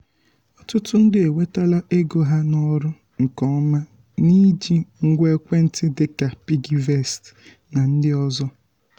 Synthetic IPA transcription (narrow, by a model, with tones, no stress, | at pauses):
ɔ˦tʊ˦tʊ˦n̩˦dɪ˦e˨we˦ta˦la˦ʔe˦ɡo˨ɦa˦nɔ˦ɾʊ˦ | ŋ̩˨kɔ˦ma˦ | ni˦d͡ʒi˦ŋ̩˦ɡʷe˦kʷe˦n̩˦tɪ˦dɪ˦ka˨pi˦ɡi˦ve˦˨st | na˨n̩˦dɪ˦ɔ˦zɔ˦